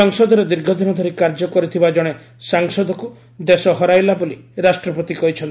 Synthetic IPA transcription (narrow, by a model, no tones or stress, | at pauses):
ɔŋsɔd̪ɔɾed̪iɾɡʱɔd̪ʱinɔd̪ʱɔɾikaɾd͡ʒɔkɔɾit̪ʰibad͡ʒɔɽ̃e | saŋsɔd̪ɔku | d̪esɔɦɔɾajlabuliɾasʈɾɔpɔt̪ikɔɦit͡ʃʰɔnt̪